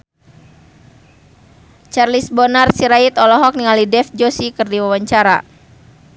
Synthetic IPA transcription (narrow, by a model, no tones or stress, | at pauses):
t͡ʃarlisbɔnarsiɾait̪ɔlɔɦɔk̚niŋalidɛfd͡ʒosikɨrdiwawaɲt͡ʃaɾa̰